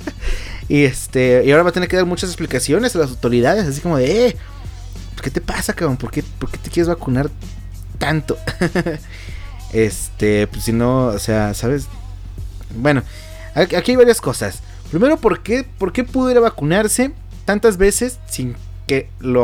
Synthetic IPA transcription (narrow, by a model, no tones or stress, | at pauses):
iest̪eiaoɾaβat̪enekeðaɾmut͡ʃas̬esplikasjo̞nesalas̬awt̪o̞ɾiðaðe̞s̬as̬iko̞mo̞ðee | pe̥ske̞t̪e̞pasakaopoɾkepoɾke̞t̪ekjeezβakunaɾ | t̪ant̪o̞ | est̪epesino̞ose̞asaβe̞s | bwe̞no̞ | aakiajβaɾjasko̞sas | pɾime̞ɾo̞po̞ɾkepoɾke̞puðjeɾaβakunaɾse̞ | t̪ant̪azβe̞se̞sːiŋ | ke | lo